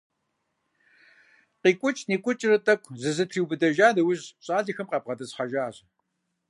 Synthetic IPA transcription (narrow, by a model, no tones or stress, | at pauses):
qiːkʷʼʊt͡ʃʼniːkʷʼʊt͡ʃʼɪrɨtʼɐkʷʰzɨzɨtʰriːwbɨdɐʒaːdɐwʊʑɕʼaːɮixɐmqɐb̚ʁɐdɐsχɐʒaːɕ